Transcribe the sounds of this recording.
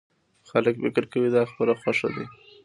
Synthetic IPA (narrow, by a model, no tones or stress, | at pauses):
xaləkfɪkɪɾkawid̪ɑxpəlaxwaʃa̰d̪e